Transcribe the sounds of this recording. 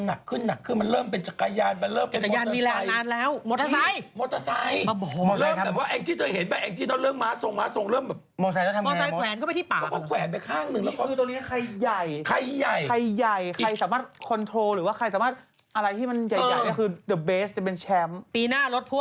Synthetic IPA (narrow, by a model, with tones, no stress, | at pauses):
nːa˨˩kʰːɯ˥˩nːa˨˩kʰːɯ˥˩nma˧nɾɤː˥˩mpe˧nt͡ɕa˨˩kːa˧jaː˧npa˧ɾɤː˥˩mt͡ɕa˨˧˩kːa˧jaː˧n˧miː˧lɛː˧a˧jnaː˧nlɛː˦˥wmoː˨˧t̪ʰːa˧sa˧˥˧jmoː˧˥t̪ːa˧sa˧jm˧bɔː˨˩ɔ˧lɤː˧˩m˧ɛː˨˩p̚waː˥˩ʔɛː˧ŋt̪ʰiː˥˩t̪ʰɤː˧˩jɦe˨˩˦nbaː˨˧˩ʔɛː˧ŋt̪ʰiː˥˩a˥˩ɾɤː˥˩mːaː˧˥so˨˩ŋmaː˧˥so˨˩ŋɾɤː˥˩˨mbɛː˨˩pmɔː˧sa˧jt̪ːʰa˧mɔː˧sa˧jkʰɛː˨˦nkʰpjtʰiː˥˩paː˨ɔ˦˥kɔː˥˩kʰwɛː˨˩˦npa˧kʰaː˥˩ŋnɯ˧ŋlɛː˦˥kɔ˥ɯː˧o˧ni˦˥kʰa˧jja˨˩jkʰa˧jja˨˩jkʰa˧jːa˨˩jkʰa˧jsaː˩˦maː˥˩t̪̚kʰo˧nt̪ʰɾoː˧ɾɯː˨˦waː˥˩kʰa˧jsaː˨˦maː˥˩t̪̚ | ʔa˧ɾa˧jt̪ʰiː˥˩ma˧njaː˨˩jaː˨˩nɔ˥˩kʰɯː˧dɯ˨˩beː˦˥st͡ɕa˨˩pe˧nt͡ɕʰɛ˦˥mpiː˧naː˥˩lo˦˥t̪̚pʰu˦˥